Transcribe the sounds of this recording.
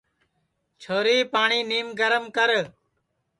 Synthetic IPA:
t͡ʃʰoːɾiːpaːɳiːniːmɡəɾəmkəɾ

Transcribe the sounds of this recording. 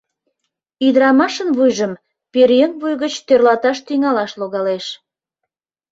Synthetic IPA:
yd̪əɾɑmɑʃənβujʒəm | peɾjənβujɣət͡ɕt̪ørlɑt̪ɑʃt̪yŋɑlɑʃloɣɑleʃ

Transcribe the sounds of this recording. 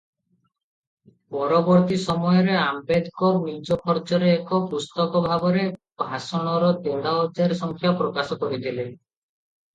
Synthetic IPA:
pɔɾɔbɔɾt̪isɔmɔjɔɾeambed̪kɔnid͡ʒɔkʰɔɾd͡ʒɔɾeːkɔpust̪ɔkɔbʱabɔɾe | bʱasɔɽ̃ɔɾɔd̪oɽaɔd͡ʒaɾsɔŋkʰjapɾɔkasɔkɔɾit̪ʰile

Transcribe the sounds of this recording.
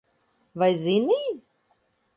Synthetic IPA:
vajzini

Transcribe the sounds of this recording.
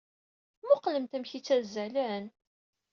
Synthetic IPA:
mʊqləmt̪æmçit͡sːæzælæn

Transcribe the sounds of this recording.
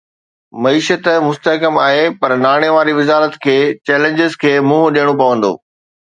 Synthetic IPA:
mɐiːʃət̪mʊst̪əɦkəmaːɦepɐɾnaːɽ̃eʋaːɾiʋɪzaːɾət̪kʰeːt͡ɕɛːlẽːɲd͡ʑɪzkʰeːmũːɦɗijəɽ̃opɐʋə̃nd̪o̰ː

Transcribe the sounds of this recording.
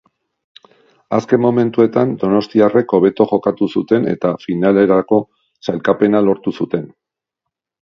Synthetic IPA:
aske̞mːo̞me̞nt̪ue̞t̪and̪o̞no̞st̪iare̞ko̞β̞e̞t̪o̞ʝo̞kat̪usut̪e̞ne̞̰t̪afinale̞ɾako̞ | sajlkape̞nalo̞ɾt̪usut̪e̞n

